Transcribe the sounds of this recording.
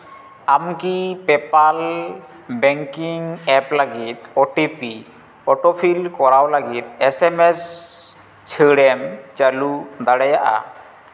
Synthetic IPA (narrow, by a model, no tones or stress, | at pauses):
amkipɛpal | bɛŋkiŋɛplaɡit̪̚ɔʈipi | ɔʈɔpʰilkɔɾawlaɡit̪̚ɛsɛmɛs | t͡ʃʰəɽɛmt͡ʃalud̪aɽɛjaʔa̰